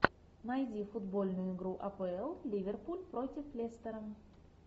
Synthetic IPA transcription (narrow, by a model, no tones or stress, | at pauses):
nɐjdʲifʊd̪bolʲnʊjʊɪɡɾuʔɐpɛɛlˠlʲivʲerpulʲpɾotʲɪflʲest̪əɾən